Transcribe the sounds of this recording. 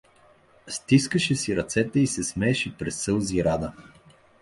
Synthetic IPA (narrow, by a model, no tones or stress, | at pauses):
st̪iskəʃɛsiɾɐt̪sɛt̪ɛisɛsmɛːʃɛpɾɛsːɤlˠziɾad̪ə